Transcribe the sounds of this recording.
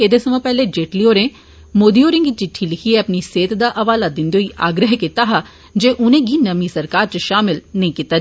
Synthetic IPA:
ed̪esəmãːpɛːled͡ʒeːʈlioːɾẽː | moːd̪iːoːɾɪ̃ŋɡit͡ʃɪʈʰːilɪkʰieəpniseːt̪d̪aːʔɐʋaːlad̪ɪnd̪euiʔaːɡɾəɦkit̪aːɦa | d͡ʒeːʔʊnẽːɡiːnəmisəɾkaːɾt͡ʃəʃaːmɪlnəĩkit̪aː

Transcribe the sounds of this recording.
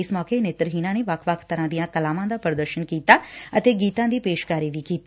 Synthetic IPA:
ɪsmɔːkeneːt̪ɾəɦiːnãːneːʋɐkʰʋəkʰt̪əɾãːd̪ijãːkəlaːmãːd̪aːpəɾd̪əɾʃənkiːt̪aːət̪eːɡiːt̪ãːd̪iːpeːʃkaːɾiːʋiːkiːt̪ː

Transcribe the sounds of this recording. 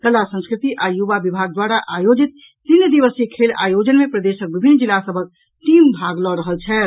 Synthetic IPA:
kəlasə̃nskɾɪt̪iʔajuʋabibʱaɡ̚d̪waɾaʔajod͡ʒit̪̚ | t̪ind̪iʋəsekʰela̰jod͡ʒənmepɾəd̪eʃək̚bibʱinːd͡ʒilːasəbʱək̚ | ʈimbʱaɡlɔɾəɦəlt͡ʃʰɛ

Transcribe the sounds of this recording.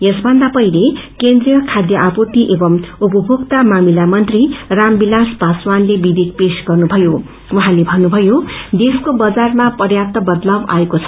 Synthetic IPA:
jesbʱʌnd̪apʌilekend̪rijʌkʰad̪jʌʔapot̪iʔebʌmup̬ʌbʱukt̪amamilamʌnt̪rirambilasbaswanlebid̪ik̚pesɡʌrnubʱʌjo | wuɦãlebʱʌnːubʱʌjod̪eskobʌd͡zarmapʌrjat̪ʌbʌd̪lawa̰ekot͡sʰʌ̥

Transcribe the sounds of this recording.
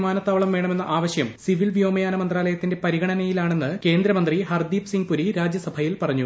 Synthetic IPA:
maːnɐt̪ːaːʋɐɭɐmʋeːɳɐme̞nːɐʔaːʋɐɕjɐmsiʋilʋjo̞ːmɐjaːnɐmɐnd̪raːlɐjɐt̪ːinde̞pɐɾiɡɐɳɐnɐjilaːɳe̞nːɨke̞ːnd̪ɾɐmɐnd̪rihɐrd̪iːpsiŋɡ̚puɾiɾaːd͡ʑjɐsɐbʱɐjilpɐrɐɲːu

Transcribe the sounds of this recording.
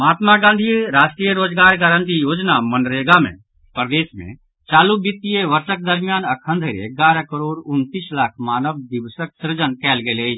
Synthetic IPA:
maːt̪maɡãnd̪ʱiɾaːʃʈɾijəɾoːd͡ʒɡaːɾɡaɾə̃nt̪ijoːd͡ʒnamənɾeːɡamḛ̃ | pɾəd̪eːsmḛ̃ | t͡ʃaːlubɪt̪ːijeʋəɾsək̚d̪əɾmijaːnɐkʰə̃nd̪ʱəɾḛɡaːɾakəɾoːɾʊnt̪iːslaːkʰmaːnəʋd̪ɪʋsək̚sɪɾd͡ʒənkɛːlɡeleː

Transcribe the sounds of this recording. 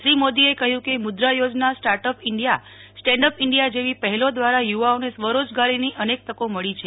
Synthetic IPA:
ʃɾimod̪iekəɦjũkemʊd̪ɾajod͡ʒnasʈaɾʈəpɪɳɖja | sʈɛ̃ɳɖəpɪɳɖijad͡ʒeʋipəɦɛlod̪ʋaɾajuʋaonesʋəɾod͡ʒɡaɾiniʔənek̚t̪əkoməɭit͡ʃʰe

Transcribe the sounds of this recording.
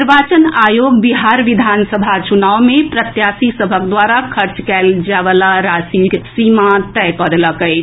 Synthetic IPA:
ɾbat͡ʃənajoɡbiɦaɾʋid̪ʱansəbʱat͡ʃunawmepɾət̪jasisəbʱəkd̪ʋaɾakʰəɾt͡ʃkɛld͡ʒaʋəlaɾasiksimãt̪ɛjpəd̪ləkəɪt͡ʃʰ

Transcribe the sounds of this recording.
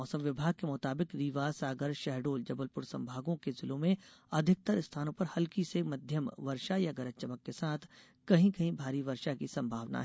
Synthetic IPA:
ɔːsə̃mʋɪbʱaːɡ̚kemʊt̪aːbɪkɾiːʋaːsaːɡəɾʃɛɦɖoːld͡ʒɐbəlpʊɾsɐ̰̃mbʱaːɡõkezɪlõmẽɐd̪ʱɪk̚t̪əɾɪst̪ʰaːnõpɐɾhɐlkisemɐd̪ʱjəmʋɐɾʃajaɡɐɾət͡ʃəməkːesaːt̪ʰ | kɐɦĩkɐɦĩbʱaːɾiʋɐɾʃakisɐ̃mbʱaːʋna̰ɦɛ

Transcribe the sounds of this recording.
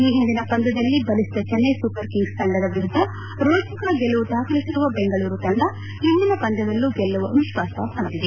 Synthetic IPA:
iːɦind̪inɐpɐnd̪ɐd̪ɐlːibɐlisid̪ɐt͡ʃɛnːesupɐɾkiŋɡst̪ɐɳɖɐd̪ɐʋiɐd̪ɐ | ɾoːt͡ʃɐkɐɡɛlːɐʋud̪aːkɐlisiɾuʋɐbɛŋɡɐɭuːɾut̪ɐɳɖɐ | ɦind̪inɐpɐnd̪ɐd̪ɐlːuɡɛlːɐʋuɐnuʃʋaːsɐ̰ːsɐnd̪id̪e

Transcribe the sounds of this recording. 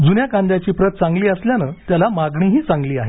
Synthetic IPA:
d͡zunjakãnd̪jat͡ɕiːpɾət̪̚t͡sãŋɡliːəsljanət̪jalamaɡɳ̃iːɦiːt͡saŋɡliːaɦe

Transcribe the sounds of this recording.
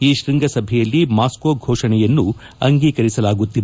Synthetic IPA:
iːʃɾiŋɡʱɐsɐbʱɛjɐlːimaːskoɡʱoːʂɐnɛjɐnːu | ɐŋɡiːkɐɾisɐlaːɡut̪ːid

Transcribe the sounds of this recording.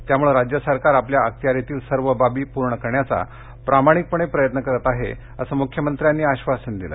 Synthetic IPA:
t̪jamuɭeɾad͡ʑjəsəɾkaɾapljaək̚t̪jaɾet̪iːlsəɾʋəbabiːpuɾɳəkəɾɳjat͡sa̰ | pɾamaɽ̃ik̚pəɳ̃epɾəjət̪nəkəɾət̪aɦḛ | əsəːmukʰjəmənt̪ɾjanːiːaɕʋasuːnd̪ilə̰

